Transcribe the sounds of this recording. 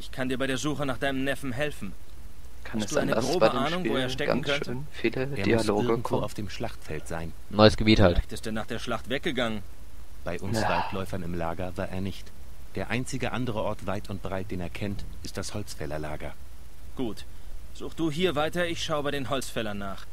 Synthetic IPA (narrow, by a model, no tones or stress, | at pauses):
ʔɪçkʰandiːɐbaɪɾeːɐzuːχənaːχd̥aɪnəmnɛfn̩ɦɛlfn̩ | kʰansd̥uːa̰ɪnəɡʁoːbəːnʊŋvvoːeːɐʃtɛn̩kʰœntənfiːləʔeːɐiasoːɪɐɡŋ̩tv̥oːaʊfd̥eːmʃlaχtfɛltz̥aɪn | nɔɪəsɡ̥əbiːthaltɪstd̥ɛːnaːχd̥eːɐʃlaχtv̥ɛk̚ɡ̥əɡaŋən | b̥aɪʔʊnsv̥aɪtʰlɔʏfɐnɪmlaːɡɐvaːɐʔeːɐnɪçt | d̥eːɐʔaɪnt͡sɪɡəʔandəʁəʔɔɐtv̥aɪtʊnt̚b̥ʁaɪt̚d̥eːneːɐkʰɛntʔɪstd̥ashɔlt͡sfɛlɐlaːɡɐ | ɡ̥uːt | z̥uːxd̥uːɦiːɐvaɪtɐɪçʃaʊəbaɪdeːnɦɔlsfɛlɐnːaːχ